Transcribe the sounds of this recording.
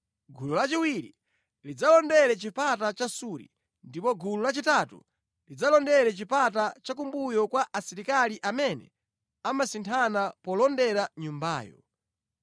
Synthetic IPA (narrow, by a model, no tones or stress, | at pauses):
ɡululat͡ʃiwiɾḭ | lid͡zalɔndɛɾɛt͡ʃipatat͡ʃasuɾḭ | ndipɔɡululat͡ʃitatṵ | lid͡zalɔndɛɾɛt͡ʃipatat͡ʃak̬umbujɔkwaʔasiɾikaliʔamɛnɛ̰ | amasintʰanapɔlɔndɛɾaɲumba̰ːjɔ̰